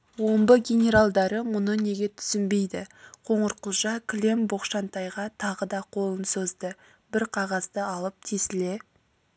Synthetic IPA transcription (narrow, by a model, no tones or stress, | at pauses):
wo̞mbəɡʲe̞nʲe̞ɾalˠd̪ɑɾəmʊnəne̞ɡʲe̞t̪ʰʏ̥sɪnbe̞jd̪ɪqʰo̞ɴəɾqəlˠʒɑkʲʰlʲe̞mboqʃɑnt̪ɑjʁɑt̪ʰɑʁəd̪ɑqʰo̞lˠənsozd̪ə | bɪɾqʰɑʁɑzd̪əɑlˠəp̚t̪ʰesɪle̞